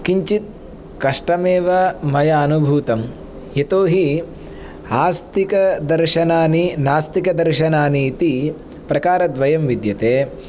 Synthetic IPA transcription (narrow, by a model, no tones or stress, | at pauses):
kiɲt͡ʃit̪̚ | kɐʂʈɐmeːʋɐmɐjɐːnubʱuːt̪ɐm | jet̪oːɦi | aːst̪ikɐd̪ɐɾʃɐnaːninaːst̪ikɐd̪ɐɾʃɐnaːniːt̪i | pɾɐkaːɾɐd̪ʋɐjɐmʋid̪jɐt̪eː